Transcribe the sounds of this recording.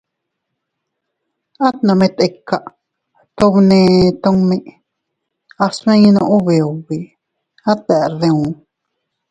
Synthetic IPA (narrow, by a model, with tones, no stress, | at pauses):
a˦t̪nã˨mẽ˧t̪e˧kːa˨ʔ | t̪o˧βnẽ˧t̪o˧ŋmẽ˦ʔ | a˧smẽ˦jnõ˧ʔu˦βe˨o˨βi˨ | a˦t̪ɛ˨ʔðẽ˧ũ˨